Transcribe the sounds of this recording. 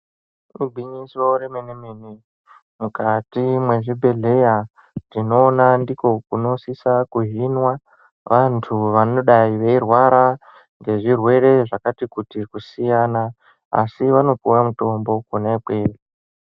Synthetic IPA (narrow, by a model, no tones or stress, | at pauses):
rubʱwiɲisoɾemenemeni | mukatimwe̞ʐibʱe̞ɮe̞ja | tino̞ːnandiko̞kuno̞sisakuɦinwa | ʋʔantʰuʋano̞ɗaiʋe̞irwaɾa | ŋɡe̞ʐirwe̞ɾe̞ʐakatikutikusijaːna | a̰siʋano̞pujamuto̞mbo̞kunaikwere